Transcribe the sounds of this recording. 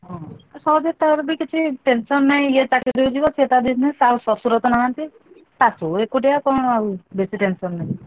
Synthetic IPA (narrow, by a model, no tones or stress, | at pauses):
ɦɔ̃asɔɦɔd͡ʒet̪aɾbikit͡ʃʰiʈensɔnːaĩjet̪aked̪iud͡ʒibɔt͡ʃʰet̪abiznesausɔsuɾɔt̪ɔnaɦant̪i | t̪asuekuʈijakɔɳ̃ɔawbesiʈensɔnːaĩ